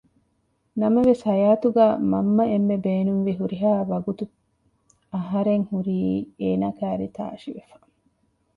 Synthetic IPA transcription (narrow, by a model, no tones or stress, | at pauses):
nɐmɐʋesɐjaːt̪uɡæːmɐ̰mːɐemːebeːnunʋiɦuɾiɦaːʋɐɡut̪u | ɐɦɐɾeŋhuɾiːeːnakæːɾḭt̪a̰ːʃiʋefɐ̥